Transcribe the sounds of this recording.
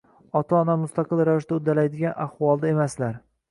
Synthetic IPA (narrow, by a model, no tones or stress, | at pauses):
ɒt̪ʰɒːnamʊst̪ʰaqɨlˠɾavɪʃd̪aʊd̪alajd̪ɪɡʲanahwɒlˠd̪ae̞maslaɾ